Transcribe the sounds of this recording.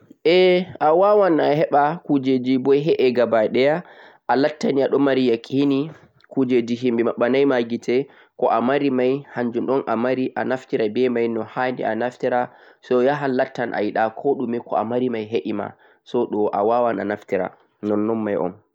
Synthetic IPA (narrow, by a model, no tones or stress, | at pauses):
ʔɛawawanaɦɛɓakud͡ʒed͡ʒibɔjɦɛʔɛɡabaɗɛja | ʔalatːaniaɗɔmaɾijakʰʼini | kud͡ʒed͡ʒiɦimbɛmaɓːanajmaɡitɛ | kɔʔamaɾimajhaɲd͡ʒumɗɔnʔamaɾiʔanaftiɾabɛmajnɔhandḭanaftiɾa | sɔjaɦalːatːanʔa̰jiɗakʰoɗumɛkʰɔamaɾimajɦeʔima̰ | sɔɗɔʔa̰wawana̰naftiɾa̰ | nɔnːɔnːajʔɔ̰m